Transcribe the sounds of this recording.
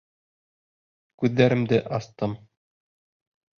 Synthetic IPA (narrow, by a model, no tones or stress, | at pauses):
kʉðːæɾɘ̆md̪ɘʔɑst̪ɤm